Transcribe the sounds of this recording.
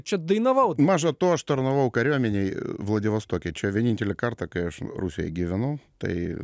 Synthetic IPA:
t͡ʃɛd̪əjnɐʋawmaʐɐt̪oɐʂt̪ɐɾnɐʋawkɐɾʲomʲɪnʲejvlˠɐdʲɪʋɐst̪okʲɪt͡ɕɛʋʲɛnʲinʲtʲɪlʲɪkart̪ɐkɐjɛʂrusʲɪə̰ɡʲɪʋʲɪnot̪ɐ̰ḭ

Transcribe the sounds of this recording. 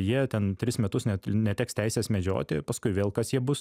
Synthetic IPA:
jiɛtʲɛnt̪ʲɾʲɪsmʲɛt̪ʊsnʲɛnʲɛtʲæːkst̪ʲæɪsʲeːsmʲɛd͡ʒʲo̰ːt̪ʲɪpɐskʊɪʋʲeːlˠkɐsjiɛbʊs

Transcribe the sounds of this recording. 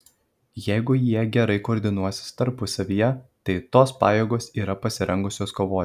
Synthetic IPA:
jɛɪɡʊjiɛɡʲɛɾɐɪkoːɾʲd̪ʲɪnuɔsʲɪ̥st̪ɐɾpʊsɐʋʲijɛt̪ɐɪt̪oːspɑ̰ːjeːɡoːsiːɾɐpɐsʲɪɾʲɛŋɡʊsʲoːskoːʋoː

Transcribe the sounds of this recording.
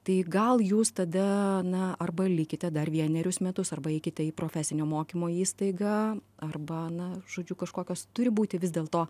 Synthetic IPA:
t̪ɐɪɡɐlˠjuːst̪ɐd̪ɐnɐɐrbɐlʲɪkʲɪt̪ʲɛd̪ɐrʋʲiɛnʲɛɾʲʊsmʲɛt̪ʊsɐrbɐɛɪkʲɪt̪ʲɛiːpɾoːfʲæːsʲɪnʲoːmoːkʲiːmoːiːst̪ɐɪɡɐɐrbɐnɐʒ̥oːd͡ʒʲʊkɐʃkoːkʲoːst̪ʊɾʲɪbuːt̪ʲɪʋʲɪzd̪ʲeːlˠt̪oː

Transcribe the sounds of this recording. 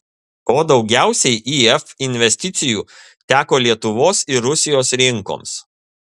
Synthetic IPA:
oːd̪ɒʊɡʲæˑʊsʲɛɪʔiɛfɪnʲʋʲɛsʲt̪ʲɪt̪sʲɪjuː | t̪ʲæːkoːlʲiɛt̪ʊʋoːsɪɾʊsʲɪjoːsɾʲɪŋko̰ːms

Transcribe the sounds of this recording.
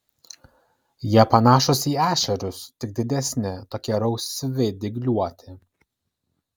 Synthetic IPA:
jiɛpɐnɑːʃʊsʲiːæːʃʲɛɾʲʊst̪ʲɪɡ̚d̪ʲɪd̪ʲɛsʲnʲɪt̪oːkʲiɛɾɐʊsʲʋʲɪd̪ʲɪɡlʲuɔt̪ʲɪ

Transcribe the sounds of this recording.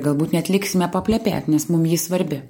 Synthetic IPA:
ɡɐlˠbuːt̪nʲɛɐt̪ʲlʲɪksʲɪmʲɛpɐpʲlʲɛpʲæ̰ːt̪ʲnʲɛsmʊmjiːsʋɐɾʲbʲɪ

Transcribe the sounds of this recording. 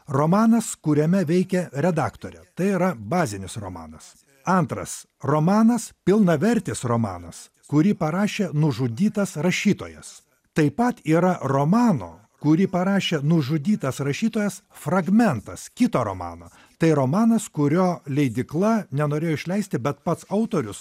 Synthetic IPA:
ɾoːmɑːnɐskʊɾʲɛmʲɛʋʲɛɪkʲɛɾʲɛd̪ɑːkt̪oːɾʲɛ̰t̪ɐɪiːɾɐbɑːzʲɪnʲɪsɾo̰ːmɑ̰ːnɐs | ɐnt̪ɾɐ̰s | ɾoːmɑːnɐspʲɪlˠnɐʋʲɛɾʲt̪ʲɪsɾomɑ̰ːnɐs | kʊɾʲiːpɐɾɑːʃʲeːnʊʒʊd̪ʲiːt̪ɐsɾɐʃʲiːt̪o̰ːjɛ̰s | t̪ɐɪpɐt̪iːɾɐɾoːmɑːno̰ː | kʊɾʲipɐɾɑːʃʲeːnʊʒʊd̪ʲiːt̪ɐsɾɐʃʲiːt̪oːjɛsfɾɐɡmʲɛnt̪ɐskʲɪt̪oːɾo̰ːmɑ̰ːnoː | t̪ɐɪɾoːmɑːnɐskʊɾʲoːlʲɛɪd̪ʲɪklˠɐnʲɛnoːɾʲeːjoɪʃʲlʲɛɪsʲt̪ʲɪbʲɛt̪pɐt̪sɐʊt̪oːɾʲʊs

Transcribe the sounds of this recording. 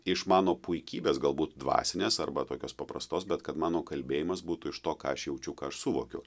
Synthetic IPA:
ɪʃmɑːnoːpʊɪkʲiːbʲeːsɡɐlˠbuːt̪̚d̪ʋɑ̰ːsʲɪnʲeːsɐɾbɐt̪oːkʲoːspɐpɾɐst̪oːsbʲɛt̪kɐt̪mɑːnoːkɐlʲbʲeːjɪmɐsbuːt̪ʊɪʃt̪oːkɑːɐʃjɛʊt͡ʃʲʊkɑːɐʃsʊʋoːkʲʊ

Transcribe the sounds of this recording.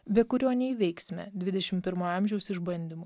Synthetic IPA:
bʲɛkʊɾʲoːnʲɛiʋʲɛɪksʲmʲɛ̰d̪ʲʋʲɪd̪ʲɛʃʲɪmpʲɪɾmoːɐmʲʒʲɛʊsɪʒbɐnʲd̪ʲɪmo

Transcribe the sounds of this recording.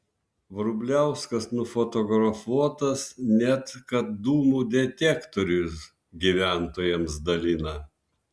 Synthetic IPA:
ʋɾʊbʲlʲæˑʊskɐsnʊfɔt̪ɔɡɾɐfuɔt̪ɐsnʲæt̪kɐt̪̚d̪uːmuːd̪ʲɛt̪ʲɛkt̪ɔɾʲʊs | ɡʲiʋʲæˑnt̪oːjɛmsd̪ɐlʲɪnɐ

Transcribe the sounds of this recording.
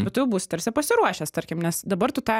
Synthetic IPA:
bʲɛt̪t̪ʊjɛʊbuːsʲɪ̥t̪ɐɾʲsʲɪpɐsʲɪɾuɔʃʲɛst̪ɐɾʲkʲɪmnʲɛsd̪ɐbɐɾt̪ʊt̪ɑː

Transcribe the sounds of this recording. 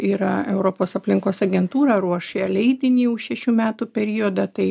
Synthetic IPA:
iːɾɐɛʊɾoːpoːsɐpʲlʲɪŋkoːsɐɡʲɛnt̪uːɾɐɾuɔʃeɐlʲɛɪd̪ʲɪnʲiːʊʃʃʲɛʃʲuːmʲæːt̪uːpʲɛɾʲijoːd̪ɐt̪ɐɪ

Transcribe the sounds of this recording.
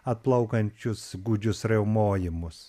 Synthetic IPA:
ɐt̪̚plˠɐʊkɐnʲt͡ʃʲʊsɡʊd͡ʒʲʊsɾʲɛʊmoːjɪmʊs

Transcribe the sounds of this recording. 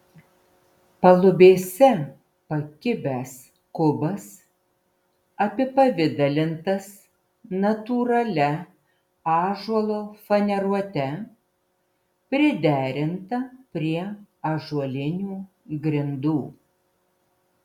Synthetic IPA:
pɐlˠʊbʲeːsʲɛ | pɐkʲɪbʲæs | kʊbɐs | ɐpʲɪpɐʋʲɪd̪ɐlʲɪnt̪ɐs | nɐt̪uːɾɐlʲɛ | ɑːʒuɔlˠoːfɐnʲɛɾuɔt̪ʲɛ | pʲɾʲɪd̪ʲæːɾʲɪnt̪ɐpʲɾʲiɛɐʒuɔlʲɪnʲuː | ɡɾʲɪnd̪uː

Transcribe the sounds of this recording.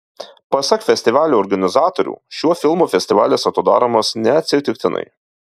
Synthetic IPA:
pɐsɐkfʲɛsʲt̪ʲɪʋɑːlʲuːɔɾɡɐnʲɪzɑːt̪oɾʲṵːʃʲuɔfʲɪlˠmuːfʲɛsʲt̪ʲɪʋɑːlʲeːsɐt̪od̪ɑ̰ːɾɐmɐsnʲɛɐt̪ʲsʲɪt̪ʲɪkt̪ʲɪnɐ̰ɪ

